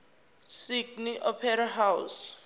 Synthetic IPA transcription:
siɡniʔɔpʰɛɾaɦaws

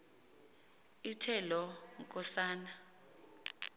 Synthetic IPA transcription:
itʰɛlɔŋkʼɔsaːna

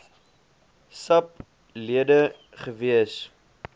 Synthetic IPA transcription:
sɐp̚ | liədə | χəviəs

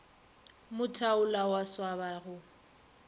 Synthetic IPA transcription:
mʊtʰaʊlawaswaβaɣʊ

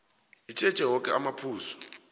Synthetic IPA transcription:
it͡ʃʼɛd̥t͡ʃʼɛɦɔkʼɛamapʰuːsɔ̥

